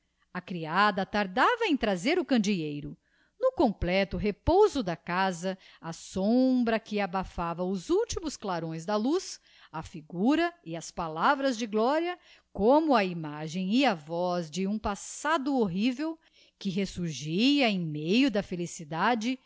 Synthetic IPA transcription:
ɐkɾiad̪ɐt̪aɾd̪avɐẽt̪ɾazeɾʊkɐ̃nd͡ʒiejɾʊ | nʊkõmplɛt̪ʊɦepowzʊd̪ɐkazɐ | ɐsõbɾɐkɪabafavɐʊzuwt͡ʃimʊsklaɾõj̃zd̪ɐlus | ɐfiɡuɾɐɪɐspalavɾɐzd͡ʒɪɡlɔɾiɐ | kõmʊɐimaʒẽj̃ɪɐvɔzd͡ʒɪũpasad̪ʊoɦivew | kɪɦesuɾʒiɐẽj̃mejʊd̪ɐfelisid̪ad͡ʒɪ

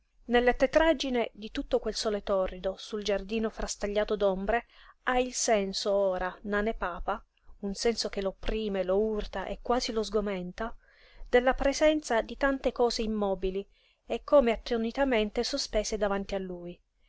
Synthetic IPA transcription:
nelːet̪et̪ɾad͡ʒined̪it̪ut̪ːokwelsɔːlet̪ɔrːid̪osuld͡ʒard̪iːnofɾʔast̪aʎːaːt̪od̪ombɾeailsɛnsooːɾananepaːpa | unsɛnsok̟eloopːɾʔiːmelourt̪aʔekːwaːzilozɡoment̪a | d̪̥elːapɾezɛnt̪sad̪it̪ant̪ekɔːzeimːɔːbili | ekːoːmeat̪ːonit̪ament̪esospɛːsed̪avant̪ialːuːj

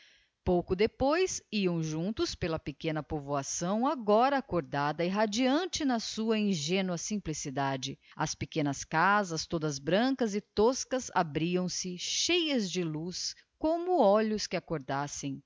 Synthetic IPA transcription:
powkʊd̪epojsiɐ̃w̃ʒũnt̪ʊspelɐpekẽnɐpovoasɐ̃w̃aɡɔɾɐːkoɾd̪ad̪ɐɪɦad͡ʒiɐ̃nt͡ʃɪnɐsuɐĩʒẽnwɐsĩmplisid̪ad͡ʒɪɐ̰spekẽnɐskazɐst̪od̪ɐzbɾɐ̃kɐzɪt̪oskɐza̰bɾiɐ̃w̃sɪʃejɐzd͡ʒɪlus | kõmʊɔʎʊskɪakoɾd̪asẽj̃

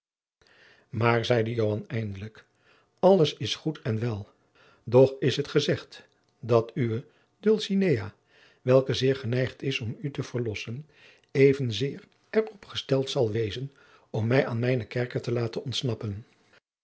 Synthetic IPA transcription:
maːɹzɛjdəjowɦɑnɛjndələk | ɑlˠəsɪsχutɛnʋɛlˠ | dɔχɪsɦətχəzɛχt | dɑtyʋə | dølˠsineja | ʋɛlˠkəzɪːɹχənɛjχtɪsɔmytəv̥əɹlɔsən | ejvənzɪːr | ɛɹɔpχəstɛlˠtsɑlˠʋejzən | ɔmːɛjʔaːnmɛjnəkɛɹkətəlaːtənɔntsnɑpən

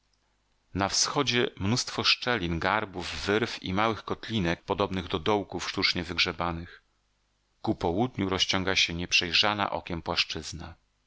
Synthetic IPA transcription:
nafsxɔd͡ʑɛmnust̪fɔʂt͡ʂɛlʲinɡaɾbuvːɘɾfḭmawɘxkɔt̪lʲinɛk̚pɔd̪ɔbnɘɣd̪ɔd̪ɔwkufʂt̪ut͡ʂɲɛvɘɡʐɛbanɘx | kupɔwud̪ɲuɾɔɕt͡ɕɔŋɡaɕɛɲɛpʂɛjʐana̰ʔɔ̰kʲɛmpwaʂt͡ʂɘzna

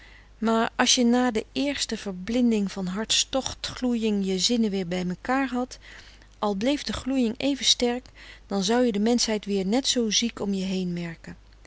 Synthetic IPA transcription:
maːɹɑlˠsjənaːdəɪːɹstəv̥əɹblɪndɪŋvɑnɦɑɹtstɔχtχlujɪŋjəzɪnəʋɪːɹbɛjməkaːɹɦɑt | ʔɑlˠblejvdəχlujɪŋejvənstɛɹkd̥ɑnzʌwjədəmɛnsɦɛjtʋɪːɹnɛtsowzikɔmjəɦejnmɛɹkən

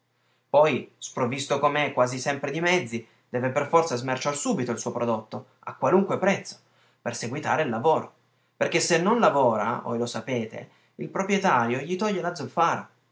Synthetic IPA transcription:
pɔjspɾovist̪okomekːwaːzisɛmpɾed̪imɛd̪zːi | d̪̥ɛːveperfɔrt̪sazmert͡ʃarsuːbit̪oilsuːopɾod̪ot̪ːo | a̰kːwaluŋkwepɾɛt̪sːo̥ | perseɡwit̪a̰ːɾeilːavoːɾo | perkesenːonlavoːɾa̰vo̰jlosapeːt̪ḛ | ilpɾopɾjet̪aːɾjoʎit̪ɔʎːelad̪zofaːɾa̰

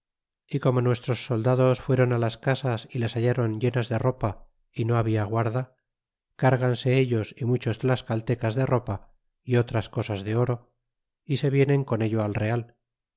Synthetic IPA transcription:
iko̞mo̞nwe̞st̪ɾo̞sːo̞ld̪aðo̞sfwe̞ɾo̞nalaskasasilesaʎaɾo̞ɲʎe̞nazðe̞ro̞pa | ino̞aβ̞iaɣwaɾða | kaɾɣanse̞eʎo̞simut͡ʃozðelaskalt̪e̞kazðe̞ro̞pa | io̞t̪ɾasko̞sazðe̞o̞ɾo̞ | ise̞βje̞ne̞ŋko̞ne̞ʎo̞alre̞al

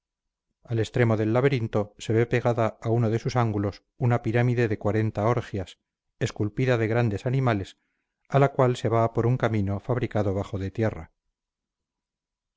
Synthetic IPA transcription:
ale̞st̪ɾe̞mo̞ðe̞lːaβeɾint̪o̞se̞βe̞pe̞ɣaðaːuno̞ðe̞susaŋɡulo̞s | unapiɾamiðe̞ðe̞kwaɾe̞nt̪ao̞ɾxjas | e̞skulpiðaðe̞ɣɾand̪e̞sanimale̞s | alakwalse̞βapo̞ɾuŋkamĩno̞faβɾikaðo̞β̞aχo̞ðe̞t̪jera̰

